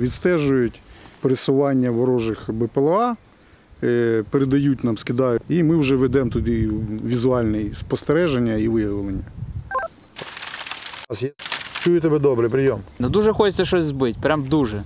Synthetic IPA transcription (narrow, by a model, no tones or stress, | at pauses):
ʋʲid̪st̪ɛʒʊjʊtʲpeɾesʊʋɑnʲːɐʋɔɾɔʒɪxbɛpelˠɐɑ | peɾed̪ɐjut̚ʲnɑmskʲɪd̪ɑjʊimɪwʊʒɛʋed̪ɛmt̪ʊd̪iʋʲizʊɑlʲnɪjspɔst̪eɾɛʒenʲːɐiʋɪjɐʋʋɪlˠenʲːɐ | sjt͡ʃujʊt̪ɔbɛd̪ɔbɾɪpɾʲɪjɔmnɐd̪uʒɛxɔt͡ʃɪt̪sʲɐʃɔsʲzbɪtʲpɾʲamd̪uʒɛ